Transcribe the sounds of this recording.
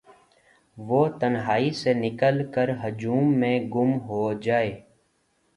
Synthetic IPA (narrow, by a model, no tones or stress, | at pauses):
ʋoːt̪ənɦaːisenɪkəlkəɾɦʊd͡ʒuːmːẽɡʊmɦoːd͡ʒaːeː